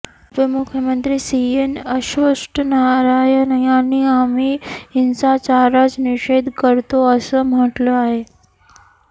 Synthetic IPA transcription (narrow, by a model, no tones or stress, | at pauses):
ʋɪmʊkʰjəmə̃nt̪ɾiːsiːenɐʃʋəsʈnaːɾaːjənɐjaːniaːmiɪnsat͡ɕaːɾat͡ʃnɪʃeːd̪ʱkəɾt̪oɐsəmɐ̃ʈloaːɦeː